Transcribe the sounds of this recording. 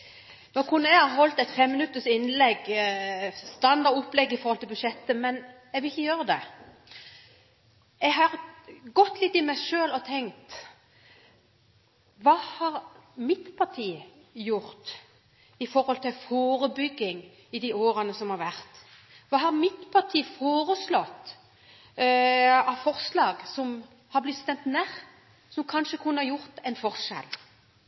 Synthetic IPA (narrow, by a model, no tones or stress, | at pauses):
noːkʰʊnːɛɡhɑɾɦɔlt̪ɛɪt̪fɛmːɪnʉt̪ːəsɪnːlɛɡ | st̪ɑnd̪ɑɾʊpːlɛɡːɪfɔɾhɔlt̪ɪlbʉʃɛt̪ːəmɛn | ɛɡʋɪlɪçːəjøːɾəd̪ɛ | ɛɡɦɑɾɡɔt̪ːlɪt̪ːɪmæɪʂøːlɔt̪ʰɛŋt̪ | ʋɑːhɑɾmɪt̪pʰɑʈ̪ʰiː | jʊɾt̪ | ɪfɔɾhɔlt̪ʰɪlfoːɾəbʏɡːɪŋ | ɪd̪ioːɾənəsɔmhɑɾʋæɾt̪ | ʋɑːhɑɾmɪt̪pʰɑʁʈ̪ʰiːfoːɾəslɔt̪ː | ɑʋfɔɾslɑːɡsɔm | hɑɾblɪt̪st̪ɛnt̪næʁ | sɔmkʰɑnʃəkʰʉnːəhɑɾjʊɾt̪ɛɪnfɔɾʂɛ̰l